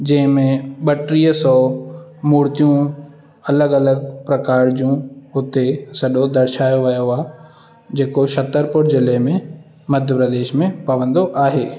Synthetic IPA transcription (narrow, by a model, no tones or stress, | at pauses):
d͡ʑɐ̃ɦɪ̃mẽɓɐʈɾiːəsɔːmuːɾt̪ijũ | ɐləɡɐləɡ̚pɾɐkaːɾd͡ʑũɦʊt̪esɐɗod̪ɐɾɪʃaːjoʋɐjoaː | d͡ʑeːkoʃɐt̪əɾpʊɽzɪlemẽ | mɐd̪ʱjəpɾəd̪eːʃmẽpɐʋə̃nd̪oʔaːɦeː